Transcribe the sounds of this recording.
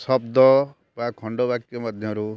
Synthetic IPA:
sɔbd̪ɔ | bãkʰɔɳɖɔbakt̪jɔmɔd̪ʱjɔɾu

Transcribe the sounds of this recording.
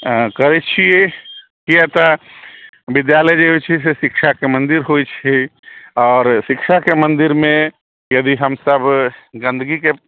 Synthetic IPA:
kəɾɛt͡ʃʰijɛ | kijat̪ə | bid̪jaləjd͡ʒeɦet͡ʃʰis̬esikʃʰakemənd̪iɾɦojt͡ʃʰiɔːɾsikʃʰakemənd̪iɾmẽ | jəd̪iɦəmsəbɡə̃nd̪əɡike

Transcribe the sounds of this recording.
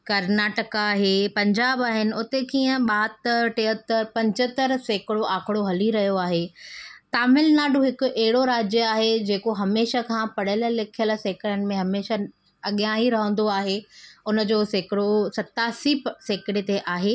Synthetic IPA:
kɐɾnaːʈəkaːɦeːpɐ̃ɲd͡ʑaːbaːɦɪnɪ̆ʊt̪ekiːə̃ɓaɦət̪əɾʈeːɦət̪əɾpɐ̃ɲd͡ʑət̪əɾseːkɪɽoʔaːkʰɪɽoɦɐliɾɐɦijoaːɦet̪aːmɪlnaːɖʱuɦɪkʊʔɛɦɪɽoɾaːd͡ʑjəaːɦed͡ʑeːkoɦɐmeːʃəkʰãpɐɽəl̆lɪkʰjəl̆seːkɪɾənɪ̆mẽɦɐmeːʃə | ɐɠjãɦiɾɐɦə̃n̆d̪oaːɦeʊnə̆d͡ʑoːseːkɪɽosɐt̪aːsipseːkɪɽet̪eʔaːɦeː

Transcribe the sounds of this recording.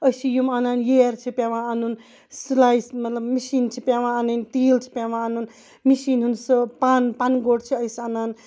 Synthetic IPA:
əjsijumananjeɾt͡ʃʰipjaʋãːnun | slajsmɐt̪lɐbmisint͡ʃʰipjaʋãːnɐnt̪ilt͡ʃʰi̥pʲaʋãːnun | misinɦunsɐpanpanɡoɽt͡ʃʰiɐjsanaːn

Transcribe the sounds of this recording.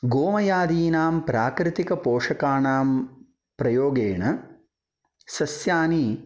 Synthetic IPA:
ɡoːmɐjaːd̪iːnaːmpɾaːkɾɪt̪ikɐpoːʂɐkaːɳaːm | pɾɐjoːɡeːɳɐ | sɐsjaːniː

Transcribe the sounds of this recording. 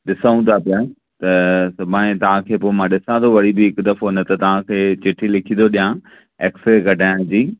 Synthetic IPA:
ɗɪsaũt̪ʰapɪjaː | t̪ɐsɐbʱaːẽt̪ɐʋ̤ãkʰeːpoːɪmãɗɪsãd̪oʋɐɽibɪɦɪkd̪ɐfonət̪ɐt̪ɐʋ̤ãkʰeːt͡ɕɪʈʰilɪkʰĩnd̪oɗijã | eːksɾeɡɐɖʱaːɪñd͡ʑiː

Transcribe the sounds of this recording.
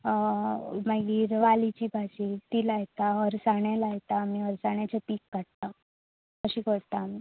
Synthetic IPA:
maɡiːɾʋalit͡ɕiːbʱad͡ʑit̪iːlːjt̪aɦəɾsaɳjalajt̪aːmiːɦəɾsaɳjat͡ɕepiːkːaɽt̪a | kəɕiːkəɾt̪aːmi

